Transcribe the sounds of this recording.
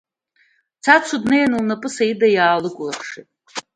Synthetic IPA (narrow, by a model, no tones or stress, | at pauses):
t͡sʰat͡sʰudnajanɨlnapʼɨsajidajaːlɨkʷʼʊlaχʂitʼ